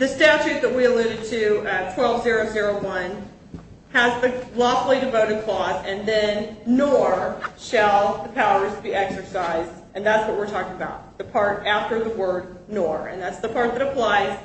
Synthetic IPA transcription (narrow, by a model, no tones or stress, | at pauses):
ðɨstæʊt͡ʃʉt̪̚ðɨt̚wiəlɪɾɨd̚tʰɨtʰw̥ɛlˠvzɪɹoʊzɪɹoʊwʌ̃n | əzðɨlɔfl̩ˠidɨvoʊɾɨd̚kʰl̥ɔzɨ̃nðɨ̃nːɔɹʃəlˠðəpʰaʊə˞zbiʔɛksə˞saɪzdʔɨ̃nðætswʌt̚wɨɹtʰɔkɪ̃ŋəbaʊt̪̚ðɨpʰɑɹɾæftə˞ðəwɜ˞d̚ⁿ | nɔɹɨ̰̃nðætsðəpʰɑɹt̪̚ðɨɾəpʰl̥aɪz̥